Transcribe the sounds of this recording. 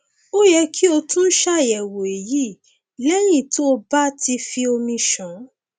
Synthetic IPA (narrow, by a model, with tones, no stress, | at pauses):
o˦jɛ˧kʰi˦o˧tũ˦n̩˦ʃa˦˨jɛ˨wo˨e˨ji˦˨ | lɛ˦ɾ̃ĩ˦˨to˦o˧ba˦ti˧fi˧o˧mĩ˧ʃɔ̃˨˦